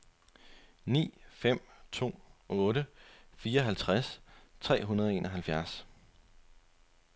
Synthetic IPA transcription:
nḭːfem̰t͡sʰo̝̰ːɔ̽ːɾəfiːɐɦælt͡sʰʁast͡sʰʁɛ̰ːɦunɐð̞ˠɒe̝ːnʔɒɦælfjæɐs

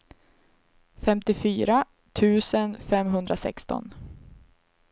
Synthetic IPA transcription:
fɛmt̪ɪfyːɾa | t̪ʰʉ̟ːsənfɛmɦɵnd̪ɾasɛ̰kst̪ɔ̰n

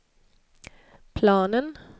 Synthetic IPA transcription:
pʰlɑːnən

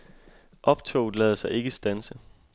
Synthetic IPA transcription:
ʔɒ̽b̥t͡sʰo̰ʊ̥lɛːð̞ˠsɑ̈ɪe̝ɡ̥əsd̥ænsə

